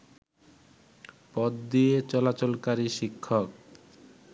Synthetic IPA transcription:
pɔd̪ːiet͡ɕɔlat͡ɕolkaɾiʃikʰːok

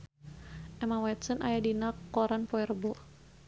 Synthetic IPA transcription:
ʔɛmawɛt̪sənʔajadinakːɔɾanpɔɛrbɔ

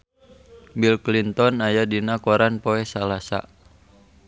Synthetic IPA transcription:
bilklint̪ɔnajadinakɔɾanpɔɛsalasa̰

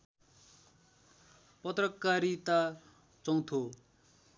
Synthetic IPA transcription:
pʌt̪rʌkːaɾit̪a | t͡sʌŋt̪ʰo

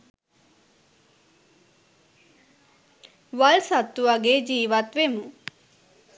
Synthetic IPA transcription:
ʋalsat̪ːuʋaɡeːd͡ʒiːʋat̪ʋemu

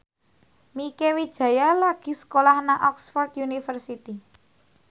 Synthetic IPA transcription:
mikewid̥ʒ̥ä̤jalaɡ̥i̤sə̥kolahnaʔɔksfɔrt̪junifərsit̪i

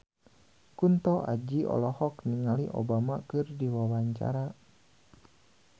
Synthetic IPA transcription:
kunt̪ɔʔa̰d͡ʒiɔ̰lɔhɔkniŋaliʔɔ̰bamakɨrdiwawaɲt͡ʃa̰ɾa

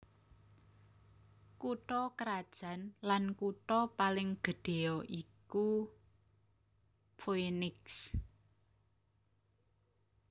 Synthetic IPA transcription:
kuʈɔkəɾad̥ʒ̥ä̤nlankuʈɔpalɪŋɡ̥ə̤ɖ̥e̤ɔʔiku | pʰoenɪks

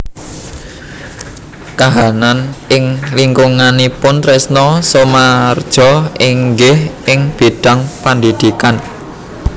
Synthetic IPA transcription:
kaɦananɪŋliŋkuŋanipʊnt̪ɾesnɔsɔmard̥ʒ̥ɔ̤iŋɡɪhʔɪŋb̥iɖ̥a̤ŋpand̪id̪̥i̤kan

